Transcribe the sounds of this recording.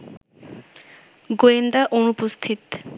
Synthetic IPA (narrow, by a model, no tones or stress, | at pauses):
ɡoend̪aʔonupost̪ʰit̪